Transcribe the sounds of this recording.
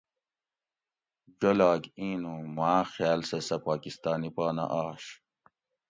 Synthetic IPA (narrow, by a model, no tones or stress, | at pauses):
d͡ʑolaːkĩːnumaːxjaːlsɐsɐpaːkist̪aːnipaːna̰ʔaːɕ